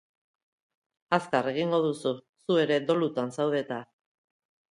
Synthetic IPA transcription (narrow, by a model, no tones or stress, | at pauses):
askare̞ɣ̞iŋɡo̞ð̞usu | sue̞ɾe̞d̪o̞lut̪ansawð̞e̞t̪a